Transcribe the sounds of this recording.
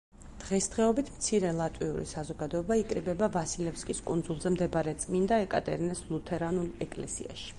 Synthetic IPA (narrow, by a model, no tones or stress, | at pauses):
d̪̥ʁɛsd̪ʁɛɔbit̪ʰmt̪sʰiɾɛlˠat̪ʼwiṵɾḭsazɔɡad̪ɔɛbaikʼɾibɛbavasilɛpskʼiskʼund̪zulˠzɛmd̪ɛbaɾɛt̪sʼmind̪aɛkʼa̰t̪ʼɛ̰ɾinɛslˠut̪ʰɛɾanulɛkʼlɛ̰sḭa̰ʃi̥